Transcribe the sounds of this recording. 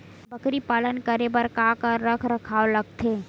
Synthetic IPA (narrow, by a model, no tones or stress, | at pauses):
bəkɾipaːlənkəɾebəɾkakəɾːəkʰɾəkʰaːoləɡ̚t̪ʰe